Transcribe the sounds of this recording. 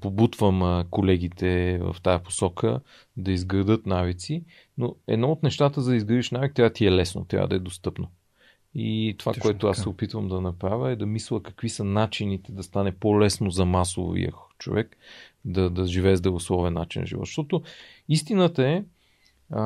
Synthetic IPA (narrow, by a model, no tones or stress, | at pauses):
pobut̪vəmkolɛɡ̟ʲit̪ɛvə̰ft̪ajɐpo̥sɔkʰə | d̪ɐizɡɾɐd̪ɤt̪navit̪si | noɛ̰d̪nɔot̪nɛʃt̪at̪əzɐd̪əizɡɾəd̪iʃnavikt̪ɾʲavət̪iɛlɛsno̰t̪ɾʲa̰və̰d̪ɐɛd̪ost̪ɤpno | ḭt̪ova̰kkoɛt̪ʊasɛopit̪vəmd̪ɐnɐpɾavʲəɛd̪ɐmislˠəkɐ̥kvisənat͡ʃinit̪ɛd̪ɐst̪anɛpolɛsnozɐmaso̰vḭjə̰t͡ʃo̰vɛk | d̪ɐd̪ɐʒivɛːzd̪ɾɐvoslˠɔvɛnːa̰t͡ʃinːɐ̰ʒḭvɔ̰t̪ːʃt̪ɔt̪ʊ | ist̪inət̪əɛ